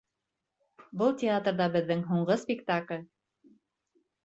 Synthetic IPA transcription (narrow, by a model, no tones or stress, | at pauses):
bɤlˠtʲɪat̪rðɑbɘ̆ðːɘŋɦuɴɢɤspʲɪkt̪aklʲ